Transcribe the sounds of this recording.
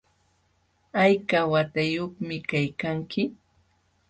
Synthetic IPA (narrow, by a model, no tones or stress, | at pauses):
ajkawat̪ajoχmɪkajkaŋkɪ